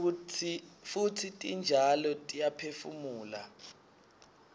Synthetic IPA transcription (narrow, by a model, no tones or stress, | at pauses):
futʰitʼind͡ʒʱalɔtʼijapʰefumuːla̰